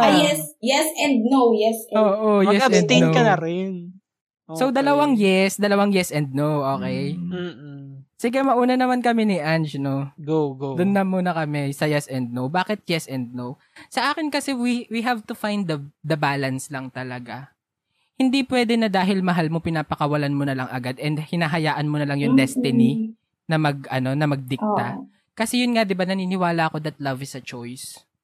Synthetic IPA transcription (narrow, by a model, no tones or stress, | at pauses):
ajɛsjɛsɛ̃nd̪̚nowjɛsoːʔojɛɐɛ̃nd̪ɪokɐnɐɾɛn | sowd̪ɐlɐwaŋjɛsd̪ɐlɐwaŋjɛsʔɛnd̪̚nowʔoːkɛj̩ | sɪɡɛmɐʔuːnɐnɐmankɐmɛnɪʔand͡ʒnoɡoɡod̪ʊnːɐmuːnɐkɐmɛsɐjɛsɛnd̪̚nowbaːkɪt̪̚jɛsɛnd̪̚now | sɐʔaːkɪnkɐsɛwiwiɦavt̪ʊfajnd̪ɐd̪ɐbaːlɐnslɐŋt̪ɐlɐɡa | hɪnd̪ipwɛːd̪ɛnɐd̪aːɦɪlmɐɦalmopɪnaːpɐkɐwɐlanmonɐlɐŋʔɐɡad̪ɛnd̪hɪnaːɦɐjaːʔɐnmonɐlɐŋjʊŋd̪ɛst̪ɪni | nɐmɐɡ̚ʔɐno̞nɐmɐɡ̚d̪ɪk̚t̪a | kɐsɛjʊnŋad̪ɪbanɐniːnɪwaːlɐʔɐko̞d̪ɐt̪̚lɐvɪsɐt͡ʃɔjs